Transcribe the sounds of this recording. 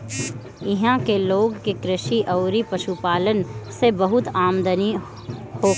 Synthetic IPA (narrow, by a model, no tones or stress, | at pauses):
ɪɦãkeloːɡkekɾɪʃiʔɐːɾipɐʃupaːlənsebɐɦʊt̪aːmd̪əni | hoː